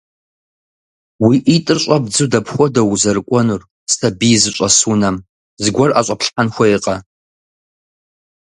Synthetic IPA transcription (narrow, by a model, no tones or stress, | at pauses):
wiʔitʼɨrɕʼɐbd͡zɨdɐpxʷɔdɐwʊzɐrɨkʷʼɔnur | stʰɐbijzɨɕʷʼɐsunɐm | zɨɡʷɐrʔa̰ɕʷʼɐpɬħanxʷɔɪqʼɐ